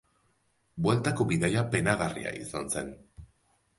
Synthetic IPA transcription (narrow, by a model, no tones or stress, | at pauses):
bwe̞lt̪ako̞βiðajape̞naɣarḭa̰ḭsanse̞n